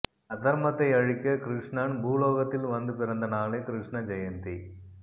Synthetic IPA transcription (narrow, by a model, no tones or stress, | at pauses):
ɐt̪ɐɾmɐt̪ːɐɪɐɻɪkʲːɐkɾɪʂɳaɳbʱuːloːɣɐt̪ːɪlʋɐnd̪ɯpɪɾɐnd̪ɐnaːleːkɾɪʂɳɐd͡ʒɐjɐnt̪i